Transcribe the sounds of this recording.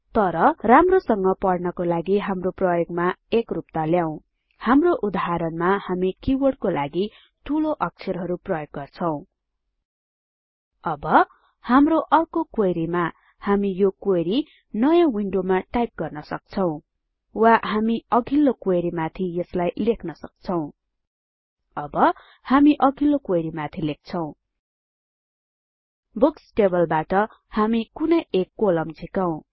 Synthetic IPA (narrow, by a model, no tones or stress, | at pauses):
t̪ʌɾʌramrosʌŋɡʌpʌɽnʌkolaɡiɦamroprʌjoɡ̚maekrupt̪aljaw̃ | hamroʔud̪aɦaɾʌnmahamikiwʌrɖ̚kolaɡi | ʈʰuloʔʌk̚t͡sʰeɾɦʌɾuprʌjoɡːʌrt͡sʰʌw̃ | ʌbʌ | hamroʔʌrkokwojɾima | hamijokojɾi | nʌjãwiɳɖomaʈajp̚ɡʌrnʌsʌk̚t͡sʰʌw̃ | waɦamiʌɡʱilːokwojɾimat̪ʰijʌslajlekʰnʌsʌk̚t͡sʰʌw̃ | ʌbʌ | hamiʔʌɡʱilokojɾimat̪ʰilek̚t͡sʰʌw̃ | buksʈebʌlbaʈʌ | hamikunʌjekːolʌmd͡zʱikʌw̃